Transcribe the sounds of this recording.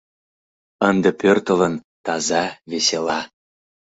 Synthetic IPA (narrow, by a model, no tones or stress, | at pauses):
ənd̪ə̆pørt̪ə̆lə̆n | t̪ɑzɑveselɑ